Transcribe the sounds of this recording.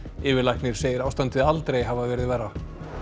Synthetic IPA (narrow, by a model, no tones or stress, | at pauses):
ɪːvɪlajhknɪɾ̥seːjɪɾawst̪ant̪ɪðalt̪ɾejɦavaðvɛːɾɪðvɛrːa